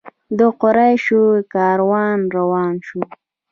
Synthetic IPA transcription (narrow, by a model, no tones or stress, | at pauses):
d̪əqʊɾajʃukɑːɾwɑːnɾawɑːnʃu